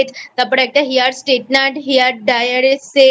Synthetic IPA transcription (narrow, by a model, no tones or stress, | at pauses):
t̪t̪apəɽɛk̚ʈ̪aɦijaɽsʈeʈ̚naʈɦiaʈ̚ɖajəɽese